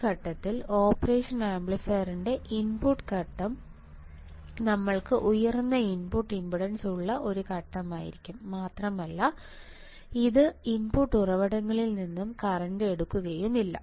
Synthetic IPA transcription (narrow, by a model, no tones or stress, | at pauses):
kɐʈːɐt̪ːilo̞ːpːɐreːʂɐnaːmbɭifɐːriɳɖe̞ʔinpuʈːkɐʈːɐm | nɐmːɐɭkɨʔujɐrnːɐinpuʈːimbiɽɐnsuɭːɐʔo̞ɾukɐʈːɐmaːjḭɾikʲːumːaːt̪rɐmɐlːɐ | iðɨimpuʈːurɐʋɐɽɐŋːɐɭilninːumkɐrɐndɨe̞ɽukːuɣɐjumːilːɐ̰